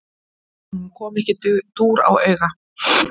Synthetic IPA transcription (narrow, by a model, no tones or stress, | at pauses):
kʰɔːmɛhcɪt̪t̪uːɾa̰wœɥɣa